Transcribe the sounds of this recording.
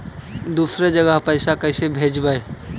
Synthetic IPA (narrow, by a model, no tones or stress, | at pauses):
d̪uːsɾed͡ʒəɡəɦpəɪsakəɪsebʱed͡ʒbəe